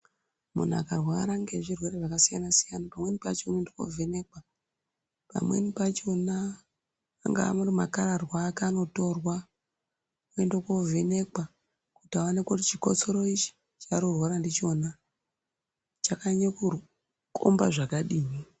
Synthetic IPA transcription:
mṵn̤ua̰karwaɾaŋɡeʐirwe̞ɾe̞ʐakasijanasijanapamwe̞nipa̰t͡ʃeunendoko̰vʱene̞kwa | pa̰mwe̞̰nipat͡ʃo̞na̰ː | ŋɡa̰a̰murimakaɾarwaːkano̞to̞rwa | oendoko̞vene̞kwa | kutawanekotit͡ʃiko̞̰t͡so̞ɾoit͡ʃi̥ | t͡ʃaɾorwoɾandit͡ʃo̞na | t͡ʃakaɲeku | kʰo̰mba̰ʐakaɗiːmi

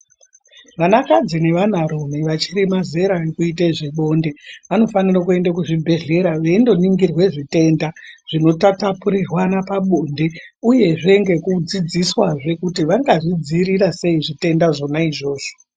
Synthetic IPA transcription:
ʋanakad͡zine̞ʋanaɾomeʋat͡ʃirimaze̞ɾaekuiteʐiɓo̞nde̞ʋano̞fanirakue̞ndakuʐibʱe̞ɮe̞ɾaʋe̞ndo̞niŋɡirwe̞ʐite̞ːndaʐ̥ino̞tatapuɾirwanapaɓonde̞ | uje̞ʐe̞ŋɡe̞kud͡zid͡ziswaʐe̞kutiʋaŋɡaʐid͡ziɾirase̞iʐite̞ndaʐo̞naiʐo̞ːʐ̥o

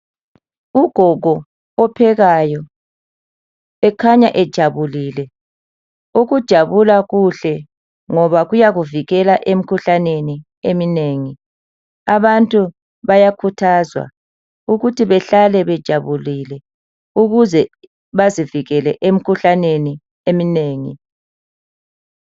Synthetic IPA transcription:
uɡ̥ʱɔɡʱɔː | pʰɛɣajɔ | ɛkʰaɲaʔɛd̥ʒ̥ʱaβuliːlɛ | uɣud̥ʒ̥ʱaβulaɣuɬɛ | ŋɔβaɣujaɣuviɣɛlaʔem̩kʰuɬaneni | emineːŋi | aβantʼu | βajakʰutʰazwa̰ | uɣutʰiβɛɬalɛβɛd̥ʒ̥ʱaβulilɛ | uɣuzɛ | βaziviɣɛlɛʔem̩kʰuɬaneni | emineːŋḭ

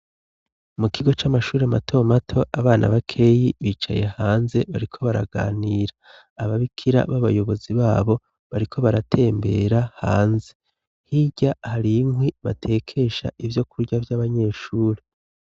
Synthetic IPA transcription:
mukʰiɡo̞t͡ʃamaʃuːɾematʰo̞matʰo̞ʔaβaːnʔa̰βakʰe̞ːjiβiːt͡ʃa̰je̞haːnze̞βaɾikʰo̞βaɾa̰ɡa̰ːniːɾaː | βaβikʰiɾa̰βaβajo̞βo̞ziβaːβo̞ | βaɾikʰo̞βaɾatʰe̞ːmbe̞̰ɾahaːnze̞ | hiɟahaɾimwiβa̰tʰe̞ːkʰe̞ʃa̰ʔivjo̞kuɾɟavjaβaɲe̞ːʃuːɾe

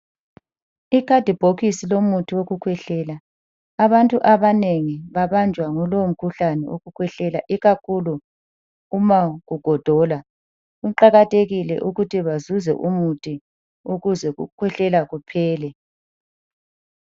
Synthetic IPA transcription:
ikʰad̥ʱib̥ʱoɣisilomutʰiwoɣukʰwɛɬɛːlaː | βantʼuʔaβaneŋiβaβand͡ʒʱwaŋɔlowm̩kʰuɬanɛ̰wo̰ɣukʰwɛɬɛlaʔiɣakʰuluː | maɣuɡ̥ʱɔd̥ʱɔla | ɣuǃaɣatʼeɣilɛ̰ʔuɣutʰiβazuzɛ̰ʔumutʰʼi | uɣuzɛɣṵkʰwɛɬɛlaɣupʰɛːlɛ

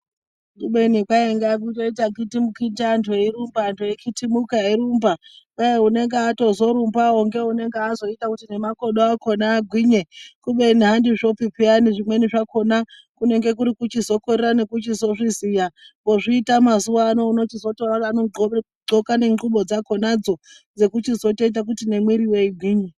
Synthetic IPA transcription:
kuɓe̞nikwaeŋɡak̬utoitakitimukintantʰuiɾumbantʰuekʰitimukaiɾumba | ejeune̞ŋɡeato̞zo̞ɾumbaoŋɡe̞une̞ŋɡeːzo̞itakutine̞mako̞ɗoako̞naːɡʱwiːɲe̞kuɓenɦandiʐo̞pipianiʐimwe̞niʐako̞na | kune̞ŋɡe̞kuɾikut͡ʃizo̞koɾerane̞kut͡ʃizo̞ʐizijaŋɡo̞ʐiːtamazuwano̞uno̞t͡ʃizo̞tororaːno̞o | ɡ͡ǃokane̞ŋɡuɓo̞d͡zako̞nad͡zo̞ | d͡ze̞kut͡ʃizo̞teit̬ak̬utine̞mwiɾiweiɡʱwiːɲe

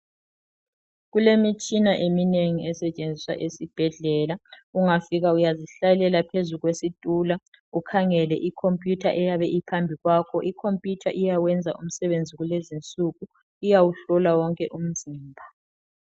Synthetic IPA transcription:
ɣulemit͡ʃʼinaʔemineŋiɛsɛt͡ʃʼend͡zʱiswa̰ʔesib̥ʱɛɮɛlauŋafiɣaujaziɬajɛlɛlapʰezuɣwesitʼuːla | ukʰaŋɛlɛʔikʰompʼjutʰaʔɛjaβɛʔipʰambʱiɣwaːkʰɔʔikʰompʼjutʰaʔijawɛnd͡zʱaʔum̩sɛβend͡zʱiɣulezint͡sʼuɣu | ijawuɬɔlawɔŋkʼɛʔum̩ziːmbʱa

